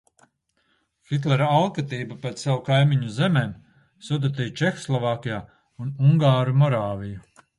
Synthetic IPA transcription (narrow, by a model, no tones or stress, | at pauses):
xit̪̬lɛɾaalˠkat̪iːbapet̪sawukajmiɲuzemeːm | sud̪ut̪ɛjt͡ʃɛxɔslˠɔvaːkʲijaː | unuŋɡaːɾumɔɾaːviju